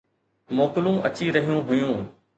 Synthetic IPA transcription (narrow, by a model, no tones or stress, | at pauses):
moːkɪlũʔɐt͡ɕiɾɐɦijũɦʊjũː